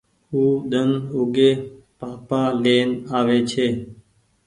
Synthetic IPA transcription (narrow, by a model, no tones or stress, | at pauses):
huːɗ̪ənʊɡeː | paːpaːleːnaːʋeːt͡ʃʰeː